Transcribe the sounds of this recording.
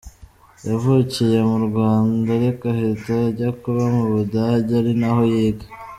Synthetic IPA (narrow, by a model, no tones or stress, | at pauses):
javucijemuɾɡwaːndaɾekahetaɟakuβamuβudaɟaɾinaho̞jeːɡḁ